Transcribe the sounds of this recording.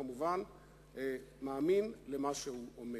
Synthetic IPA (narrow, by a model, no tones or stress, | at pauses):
amuvan | maːminlemaʃehuʔome